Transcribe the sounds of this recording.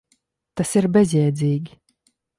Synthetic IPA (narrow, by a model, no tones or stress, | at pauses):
t̪asiɾbʲɛzʲjɛɛd̪zʲiːɡʲi